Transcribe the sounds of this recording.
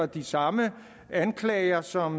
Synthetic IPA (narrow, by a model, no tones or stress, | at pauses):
ɐd̥isɑ̈mə | ænkʰlɛːɪɐsɒ̽m